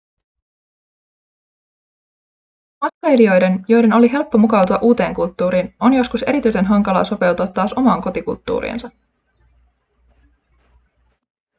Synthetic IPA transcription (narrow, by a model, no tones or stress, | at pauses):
ɑt̪̚klejlio̞jde̞njo̞jde̞no̞liɦe̞lpːo̞mukɑwt̪uɑʔuːt̪e̞ːŋkult̪ːuːɾiːno̞njo̞skuse̞ɾit̪yjse̞nɦɑŋkɑlɑ̰ːso̞pe̞wt̪uɑt̪ːɑːso̞mɑːŋko̞t̪ikṵlt̪ːṵːɾḭːnsɑ